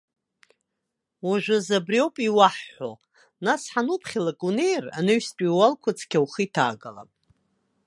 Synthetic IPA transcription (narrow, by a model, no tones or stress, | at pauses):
waʒʷʊzabriowpʼiwaħːo̰ | nasħanupʰχʲilakʼunejra̰nɨɥstʼiwalkʷʰʊt͡sʰkʲʰawχitʰa̰ːɡala̰pʼ